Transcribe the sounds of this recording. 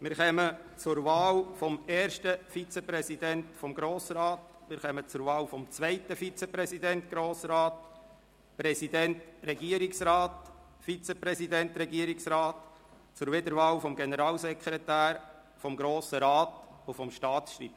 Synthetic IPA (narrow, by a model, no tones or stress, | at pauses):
mɪɾχɛmət͡sʊɾʋɑːlfɔmɛːɾʃtəfit͡sɛpɾɛsidɛntfɔmɡɾoːsəɾɑːt̪ | mɪɾχœmət͡sʊɾʋɑːwfɔmt͡sʋɛɪtəfit͡sɛpɾɛsidɛntɡ̥ɾoːsɾɑːt | pɾɛsidɛntrɛɡiəɾiksɾɑːt | fit͡sɛpɾɛsidɛnt̪ɾɛɡiəɾiksɾɑːt | t͡sʊɾʋɪd̪əɾʋɑːwfɔmɡɛnəɾɑːlsɛkχɾɛt̪æːɾ | fɔmɡɾoːsəɾɑːtʊfɔmʃtɑːtʃt̪ɾḭːp